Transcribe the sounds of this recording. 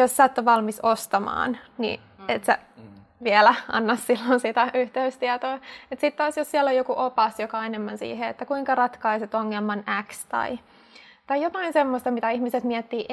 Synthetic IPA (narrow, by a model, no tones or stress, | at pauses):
jossæt̪ːoʋʋɑlmisost̪ɑmɑ̰ːnnḭ | et̪sæ̰ | ʋiɛlæɑ̰nːɑssilːonsit̪æyht̪eyst̪iɛt̪oːet̪sit̪t̪ɑːsjossiɛlːojokuʔopɑsjokɑenemːænsḭːɦeḛt̪ːækuiŋkɑrɑt̪kɑiset̪oŋːelmɑnækst̪ɑ̰i | t̪ɑijjot̪ɑinsemːost̪ɑmit̪æihmiset̪miɛt̪ːiːʔ